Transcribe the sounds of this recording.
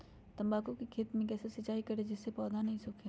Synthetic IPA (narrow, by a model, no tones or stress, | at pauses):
t̪ɐ̃mbaːkokikʰeːt̪mẽkɛːsesɐt͡ʃaːikɐɾed͡ʒɪsːepɔːd̪ʱanɐɦĩsʊːkʰe